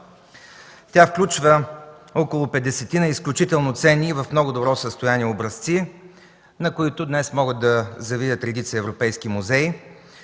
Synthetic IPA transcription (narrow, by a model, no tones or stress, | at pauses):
t̪ʲafklʲut͡ʃvəɔkolˠʊpɛd̪ːɛsɛt̪inəisklʲut͡ʃit̪ɛlˠnʊt̪sɛniːvɐfmnɔɡʊd̪obɾɔsəst̪ʊjaniɛobɾɐst̪si | nɐkoit̪ʊd̪nɛsmɔɡəd̪d̪ɐzɐvid̪ʲət̪ɾɛd̪it̪səəɛvɾopɛjskimuzɛj